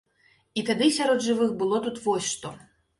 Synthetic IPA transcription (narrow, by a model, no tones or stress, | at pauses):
it̪ad̪ɨsʲaɾɔd̪ʐɨvɨxbɨlˠɔt̪ut̪vɔsʲʂt̪ɔ